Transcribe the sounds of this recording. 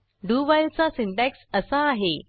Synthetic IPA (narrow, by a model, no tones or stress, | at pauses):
ɖuːbajlt͡sasiɳʈæksəsaːɦe